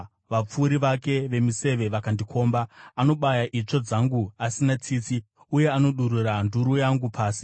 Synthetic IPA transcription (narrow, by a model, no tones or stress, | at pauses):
ʋap͡fuːɾiʋake̞ʋe̞mise̞ʋe̞ʋakandikʰo̞ːmbaːno̞ɓajaʔit͡ʂo̞d͡zaŋɡuasinat͡siːt͡si | uje̞ano̞ɗuɾuranduɾujaŋɡupʰaːsi̥